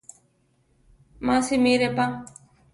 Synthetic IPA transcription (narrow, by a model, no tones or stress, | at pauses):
mãːsemeːɾepaŋ